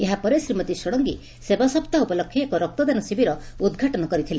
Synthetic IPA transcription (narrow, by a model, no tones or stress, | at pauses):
eɦapɔɾesɾimɔt̪isɔɽ̃ɔŋɡi | sebasɔpt̪aupɔlɔkʰːjiekɔɾɔk̚t̪ɔd̪anɔsibiɾɔud̪ɡʱaʈɔnɔkɔɾit̪ʰile